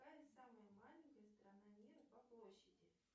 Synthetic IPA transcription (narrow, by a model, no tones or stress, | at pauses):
kajɪt̪saməjəmalʲɪnʲkəjəst̪ɾɐnanʲirpɐplˠoɕːɪdʲɪ